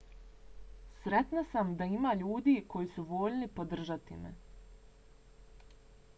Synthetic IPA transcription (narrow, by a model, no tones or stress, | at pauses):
sɾet̪nasamd̪aimaːʎuːd̪iːkʰo̞jisuʋo̞ːʎnipod̪r̩ʒat̪ḭmḛ